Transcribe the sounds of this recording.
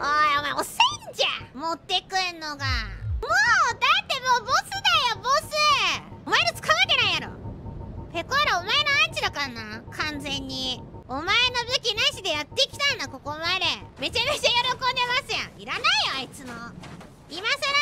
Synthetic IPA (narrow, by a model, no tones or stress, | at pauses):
aomaeoseɲd͡ʑamot̪ːe̞kɯ̟nːoɡamoːd̪at̪ːe̞moːbosɨd̪ajo̞bosɨomaeɾot͡sɨ̥kaβake̞ɾãĩjaɾo̰ | pe̞koaɾaomae̞noait͡ɕid̪akaɾanakʰãnd͡zẽ̞ɲ̟ːiomae̞no̞bɯ̟kʲinaiɕid̪e̞jat̪ːe̞kʲi̥t̪ãnːako̞ko̞mad̪e̞me̞t͡ɕame̞t͡ɕajo̞ɾo̞kõ̞nd̪e̞masɨjã̰iɾanaijoait͡sɨmo | imasaɾa